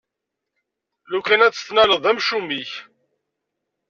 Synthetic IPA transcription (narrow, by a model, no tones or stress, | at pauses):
lukːænæt͡sːə̥θnæləðˤæmʃumiç